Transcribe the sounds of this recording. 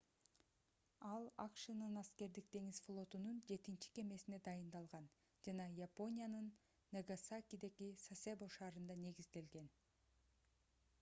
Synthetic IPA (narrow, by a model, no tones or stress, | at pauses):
ɑlˠɑqʃɯnɯnɑske̞ɾd̪ik̚t̪e̞ŋizflˠo̞t̪unund͡ʒe̞t̪int͡ʃi̥ke̞me̞sine̞d̪ɑjɯnd̪ɑlˠʁɑn | d͡ʒɑnɑjapo̞nʲijanɯnː | eɡasakʲid̪e̞ɡisasʲeboʃɑːɾɯnd̪ɑne̞ɡizd̪e̞lɡe̞n